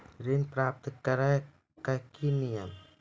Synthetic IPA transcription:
ɾinpɾap̚t̪ɨkaɾa | kakiniam

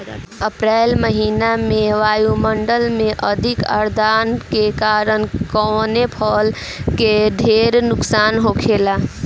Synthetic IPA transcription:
əpɾalməɦinameʋajuməɳɖəlmeʔəd̪ʱikə̰ɾd̪ankekaɾənkɔnepʰəl | keɖ̪ʱeɾnʊksaːnɦokʰela

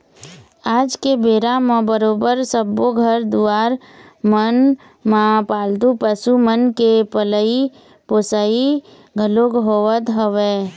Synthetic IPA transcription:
aːd͡ʒkebeːɾamẽbəɾoːbəɾsəbːoɡʱəɾd̪uaːɾ | mən | mãpaːld̪upəsumənkepələi | poːsaːi | ɡʱəloɡɦoːʋət̪ɦəʋe

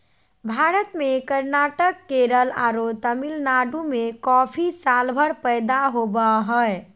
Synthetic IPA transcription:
bʱaɾət̪mekəɾnaʈəkːeɾəla̰ɾot̪əmilnaɖumekɔpʰisalbʱəɽpəjd̪aɦobəɦəj

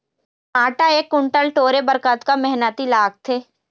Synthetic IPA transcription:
aːʈaeːkːʊɳʈəlʈoːɾebəɾkət̪kamɛɦnət̪ilaːɡ̚t̪ʰeː

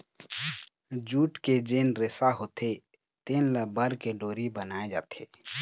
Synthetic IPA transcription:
d͡ʒuːʈked͡ʒeːnɾesaɦoːt̪ʰe | t̪eːnləbəɾkeɖoːɾibənaːed͡ʒa̰ːt̪ʰeː

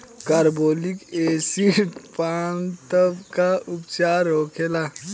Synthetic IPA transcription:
kaːɾboːlikeːsipaːnt̪əbkaʊpt͡ʃaːɾoːkʰeːlaː

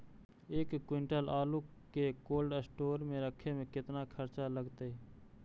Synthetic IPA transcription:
eːkːwɪ̃ɳʈəlaːlukekoːlɖəsʈoːɾmẽɾəkʰemẽkɪt̪nakʰəɾt͡ʃaləɡt̪eɛ

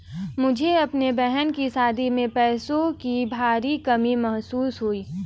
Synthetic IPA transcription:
mʊd͡ʒʱeɐpnebɛɦɛnkisaːd̪ʱimẽpɛːsõkibʱaːɾikɐmimɐɦsuːsɦuiː

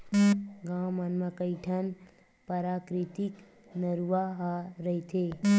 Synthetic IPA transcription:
ɡãmənmakəiʈʰən | pəɾaːkɾit̪ik | nəɾuaɦaɾəit̪ʰe

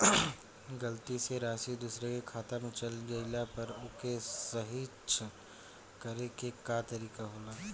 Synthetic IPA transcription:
ɡɐlt̪iseɾaːsid̪uːsɾekekʰaːt̪amẽt͡ʃɐlɡɐɪlapɐɾʊkesɐɦit͡ʃ | kɐɾekekat̪ɐɾiːkaɦoːlaː

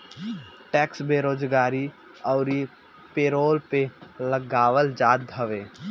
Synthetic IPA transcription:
ʈɛːksbeːɾoːd͡ʒɡaːɾi | ɔːɾi | peːɾoːlpeləɡaːʋəld͡ʒaːd̪̚bʱəʋeː

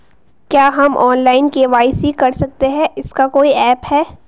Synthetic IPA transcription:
kjaːɦɐmʔɔːnlaːɪnkeʋaːɪsikɐɾsɐk̚t̪eɦɛ̃ʔɪskakoːiɛːphɛː

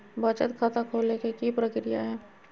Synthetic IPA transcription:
bət͡ʃət̪kʰat̪akʰoːlekikipɾəkɾija̰ɦɛː

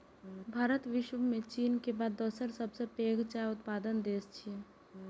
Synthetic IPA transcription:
bʱaːɾət̪ʋɪʃʋəmẽt͡ʃiːnkebaːd̪ːɔsəɾsəbsepeːɡt͡ʃaʊt̪paːd̪ənd̪eːst͡ʃʰi

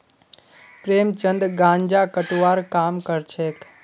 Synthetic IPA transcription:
pɾemt͡ʃənd̪ɡãɲd͡ʒakəʈʋaɾkamkəɾt͡ʃʰek

